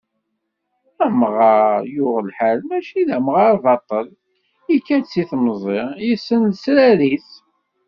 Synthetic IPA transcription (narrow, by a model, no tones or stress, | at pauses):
æmʁɑɾjʊʁlħælmæʃiðæmʁɑɾðɑt̪ˤːəl | ikːænt͡sːiθmzˤeʁjisːənlsɾæɾiθ